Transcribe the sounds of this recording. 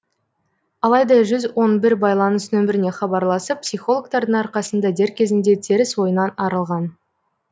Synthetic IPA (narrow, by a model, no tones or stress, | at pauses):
ɑlˠɑjd̪ɑʒʏzwo̞nbɪɾbɑjlˠɑnəsnɵmɪɾɪne̞χɑbɑɾlˠɑsəp̚psijχo̞lˠok̚t̪ɑɾd̪əɴɑɾqɑsənd̪ɑd̪e̞ɾkʲʰe̞zɪnd̪e̞t̪ʰe̞ɾɪswo̞jənɑnɑɾəlˠʁɑn